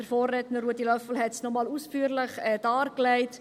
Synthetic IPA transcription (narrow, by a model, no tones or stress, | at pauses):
əɾfɔːrːɛtnəːuədilœfl̩ɦɛtsnɔmɑːlusfyːəɾləχɛːd̥ɑːrklæɪt